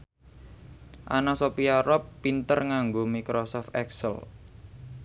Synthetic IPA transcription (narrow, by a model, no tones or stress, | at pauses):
ʔanasopiaɾɔpːint̪ərŋaŋɡomikɾosɔft̪ɛksə̰l